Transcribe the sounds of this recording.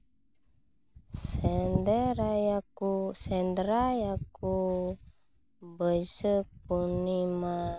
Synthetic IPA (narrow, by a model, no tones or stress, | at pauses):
sɛndəɾajakusɛnd̪ɾajaku | bəsəp̚unima